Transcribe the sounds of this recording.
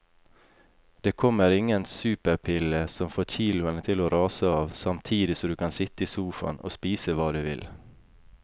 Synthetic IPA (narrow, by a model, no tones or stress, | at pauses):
d̪̥eːkʰɔməɾɪŋənsʉːpəɾpʰɪləsɔmfoːçiːlʊənət̪ʰɪloːɾɑːsəɑːʋsɑmt̪ʰiːd̪ɪsɔmd̪ʉːkʰɑnsɪt̪əiːsuːfɑ̰no̰ːspiːsəʋɑːd̪ʉːʋɪ̰l